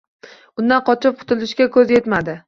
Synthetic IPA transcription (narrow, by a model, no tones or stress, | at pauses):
ʊnd̪anqʰɒt͡ʃʰɪp̚qʰʊt̪ʰɪlɪʃkʲakʰɵzje̞t̪mad̪ɪ